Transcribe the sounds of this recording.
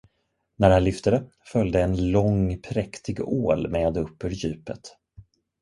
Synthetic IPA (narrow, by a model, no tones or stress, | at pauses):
næɾhanlʏft̪əd̪ə | fœljd̪əɛnlɔŋpʰɾɛkt̪ʰɪɡo̰ːlmeːd̪ɵpːʉːɾjʉ̟ːpə̰t̪